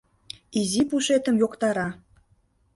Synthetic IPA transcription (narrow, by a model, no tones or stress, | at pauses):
izipuʃet̪əmjokt̪ɑɾɑ